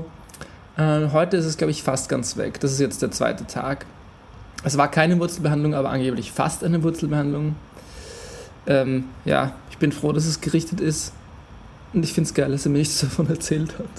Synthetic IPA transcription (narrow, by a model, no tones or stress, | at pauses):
ʔɛːmɦɔʏtəɪstɛsɡ̥laʊbəɪçfastɡ̥a̰nt͡sv̥ɛ̰kd̥asɪs̬tjɛt͡std̥eːɐt͡sv̥a̰ɪtətʰa̰ːk | ʔɛsv̥aːɐkʰaɪnəvʊɐt͡sl̩bəhandlʊŋʔaːbɐ̰ʔa̰nɡeːplɪçfa̰stʔaɪnəvʊɐt͡sl̩bəhandlʊŋ | ʔɛːmja̰ːɪçb̥ɪnfʁ̥oːdas̬ɛsɡ̥əʁɪçtətɪst | ʔʊntɪçfɪntsɡ̥aɪldaseːɐmiɐnɪçt͡sd̥afɔnɛɐt͡sɛːlthat